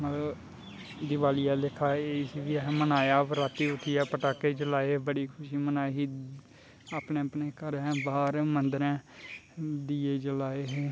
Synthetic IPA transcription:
mət̪lə | d̪ɪʋaːlɪjaːlɪkʰːaːeːsiʋiaɦmənaːjaːpɾaːt̪iːʊʈ̪ʰɪjaːpəʈaːkeːd͡ʒəlaːeːbəɽiːkʰʊʃiːmənaːeɦiː | aːpneːəpneːkəɾɛ̃ːbaːɾmənd̪əɾɛ̃ː | d̪iːeːd͡ʒəlaːeɦeː

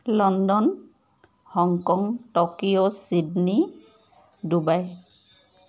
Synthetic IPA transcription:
lɔndɔn | hɔŋkɔŋtɔkiosidni | dubaj

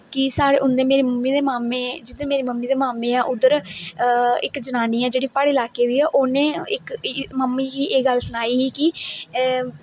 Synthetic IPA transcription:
kɪsaːɽḛːʔʊ̃nd̪eːmeːɾeːməmːiːd̪eːmaːmẽːd͡ʒɪd̪̃meːɾeːməmːiːd̪eːmaːmẽːaːʔʊd̪əɾ | ɪkd͡ʒənaːniːãːd͡ʒeːɽiːpaɽeːlaːkeːd̪iːaːʔoːnẽːɪkməmːiːkiːʔeːɡəlsʊnaːiːɦiːkɪ

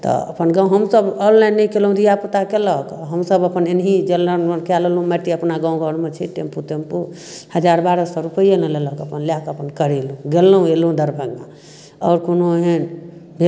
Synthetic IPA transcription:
t̪ɔ̰ə̰pənɡãũɦəmsəbɔnlajnːəikelɦũd̪ijapət̪akeləkɔɦəmsəbəpənenɦid͡ʒelːənmekɛləlɦũmɛʈiəpnaɡãũɡʱəɽmet͡ʃʰḭʈemput̪empu | həd͡ʒaɾbaɾəsɔɾupəijeneleləkəpənlakəpənkəɾelũɡelːɦũelũd̪ʱəɾbʱəɡa | ɔːɾkonoəɦenbʱe

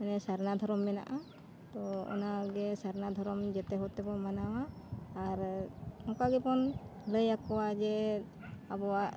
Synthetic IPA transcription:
ɛnɛsaɾnad̪ʱɔɾɔmːɛna̰ʔa | t̪ɔɔ̰naɡɛsaɾnad̪ʱɔɾɔmd͡ʒɛt̪ɛɦɔt̪ɛbɔmanawaː | ɾhɔkaɡɛpɔnləjakɔwad͡ʒɛ | abɔwaʔ

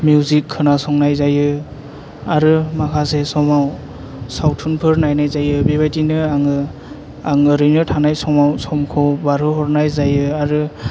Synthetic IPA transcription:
mjuzikʰːɯnasɔŋnajzajɯ | aɾɯmakʰasesɔmaw | sawtʰunpʰɯɾnajnajzajɯbebajtinɯaŋɯ | aŋɯɾɯjnɯtʰanajsɔmawsɔmkʰɔwbaɾɯɦɔɾnajzajɯaɾɯ

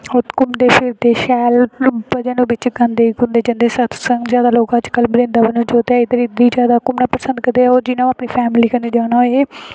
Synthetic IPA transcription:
ʊt̪kʊmd̪eːpʰɪɾt̪eːʃɛːlbəd͡ʒənũːbɪt͡ʃɡənd̪eːkʊ̃nd̪eːd͡ʒənd̪eːsət̪ʰsəŋɡzjaːd̪aːloːkəd͡ʒkəlbɾɪ̃nd̪aːbənõːd͡ʒoːt̪ɛːɪd̪əɾid̪iːd͡ʒjaːd̪aːkʊmnaːpəsə̃nd̪kəd̪eːoːɾd͡ʒɪnãːaːpniːpʰɛːmliːkəneːd͡ʒaːnaeː

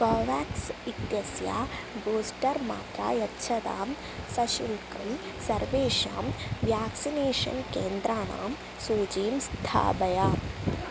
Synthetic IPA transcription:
koːʋaːksit̪jɐsjaːboːsʈɐɾma̰ːt̪ɾa̰ːjɐtːʃʰɐd̪a̰ːm | sɐʃulkɐm | sɐɾʋeːʃaːmʋjaːksineːʂɐ̰nkeːnd̪ɾaːna̰ːm | suːd͡ʒiːmst̪ʰa̰ːbɐjaː

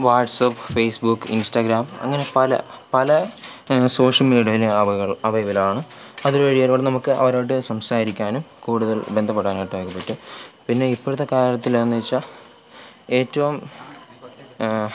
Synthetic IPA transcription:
ʋaːʈsɐpːfejsbukːḭnsʈɐɡɾaːmɐ̰ŋːɐne̞pɐlɐ̰ | pɐlɐ | so̞ːʂɐlmiːɽiɐiɖɐɐʋɐjɐʋɐlaːɳɨ | ɐðuɾuʋɐɻijoːɾʋɐɽnɐmukːɨʔɐ̰ʋɐɾoːjʈ̬ːɨsɐmsaːɾikʲːaːnum | kuːɽuðɐlbe̞nd̪ʱɐpːeɽaːnɐʈːoːkːɐpːetːɨpinːe̞ipːoɻut̪ːekaːɾɐt̪ːilɐnːɐit͡ɕːɐ | e̞ːtːɐʋum

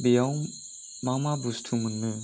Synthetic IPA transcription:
bijawŋ | mamabustʰumunːɯ

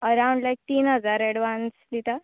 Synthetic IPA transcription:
əɾawuɳɖlajk̚t̪iːnɦəd͡zaɾɛɽʋansd̪it̪a

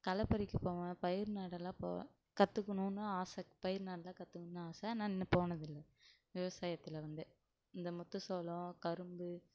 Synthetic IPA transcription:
kɐlɐpːɐɾɪkːɯpoːʋɐ̃pɐjɪɾnaːɽɐlãːpõ̰ː | kɐt̪ːɯkːɐnũnːɯaːsɐpɐjɪɾnaːɽɐlãːkɐt̪ːɯkːɐnnːaːsɐaːnãːɛnːɐpoːnɐðɪlːɐ | ʋɪʋɐsaːjɐt̪ːɪlɐʋɐnd̪ɯ | ɪnd̪ɐmɔt̪ːɯsoːlɔ̃kɐɾɯmbɯ

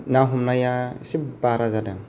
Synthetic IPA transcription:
naɦumnajasibbaɾazada

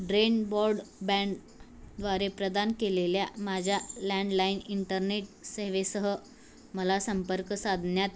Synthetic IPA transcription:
ɖɾenbɔɾɖbɛ̃ɳɖ | d̪ʋaɾepɾəd̪ankeleljamad͡ʑʱjalɛ̃ɳɖlainiɳʈəɾneʈ̚səɦʋesəɦə | məlasəmpəɾkəsad̪ʱnjat̪

